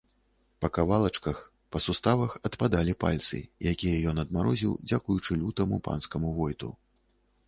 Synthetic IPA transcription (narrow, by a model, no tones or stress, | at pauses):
pɐkavalˠɐt͡ʂkɐx | pɐsust̪avɐxɐt̪pad̪alʲipa̰lʲt̪sɨ̰jakʲijɐjɔnɐd̪maɾɔzʲiwd͡zʲakujut͡ʂɨlʲut̪ɐmupa̰nskɐmuɣɔjt̪ṵ